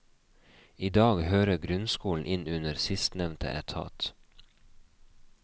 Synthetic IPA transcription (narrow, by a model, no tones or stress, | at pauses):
iːd̪ɑːɡhøːɾəɡɾʉnskuːln̩ʔɪnʉnəɾsɪst̪nɛʋnt̪ʰə̰ʔɛ̰t̪ʰɑ̰ːt̪